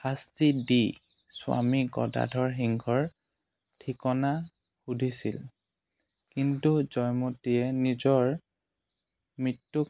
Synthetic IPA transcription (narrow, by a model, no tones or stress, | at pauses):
xastidi | sʊwa̰miɡɔ̰da̰dʱɔɹɦiŋɡʰʱɔɹ | tʰikɔna | xudʱisḭl | kintuzɔjmotiɛnizɔɹ | mɹitːuk